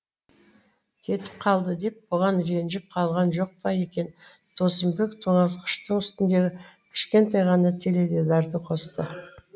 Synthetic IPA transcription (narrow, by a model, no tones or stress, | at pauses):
kʲʰe̞t̪ɪ̥p̚qʰɑlˠd̪əd̪e̞p̚bʊʁɑnɾe̞nʒɪp̚qʰɑlˠʁɑnʒo̞q̚pɑje̞kʲe̞n | t̪ʰosəmbekt̪ʰoɴɑsqʰə̥ʃt̪əɴʏst̪ɪnd̪e̞ɡʲɪkʲʰɪ̥ʃkʲe̞nt̪ɑjʁɑnɑt̪ʰe̞le̞d̪e̞zɑɾt̪əqʰo̞st̪ə